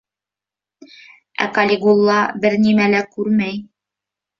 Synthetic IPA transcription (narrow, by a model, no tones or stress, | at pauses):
æ̰kɑlʲiɡulˠːɑbɘɾnimælækʉɾmæj